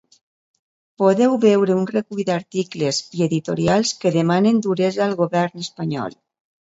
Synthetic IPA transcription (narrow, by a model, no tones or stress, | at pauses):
poðɛwβɛwɾeunrekujd̪aɾt̪iklezieðit̪oɾialˠskeðemanend̪uɾɛzaːlˠɣoβɛɾnəspaɲɔ̰lˠ